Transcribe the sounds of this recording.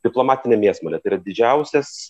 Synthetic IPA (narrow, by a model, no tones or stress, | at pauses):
d̪ʲɪplˠoːmɑːt̪ʲɪnʲɛmʲeɛsmoːlʲɛt̪ɐɪɾɐd̪ʲɪd͡ʒʲɛʊsʲɛs